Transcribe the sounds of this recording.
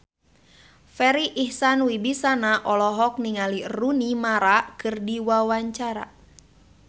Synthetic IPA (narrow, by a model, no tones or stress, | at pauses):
fɛɾiʔːhsanwibisanaʔɔlɔɦɔk̚niŋalirunimaɾakɨrdiwawaɲt͡ʃaɾa̰